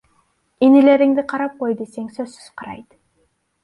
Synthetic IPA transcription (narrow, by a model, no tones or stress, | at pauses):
inɪle̞ɾɪŋd̪ɪqʰɑɾɑp̚qojd̪ese̞ŋsɵzsʏ̥z̥qʰɑɾɑ̰jd̪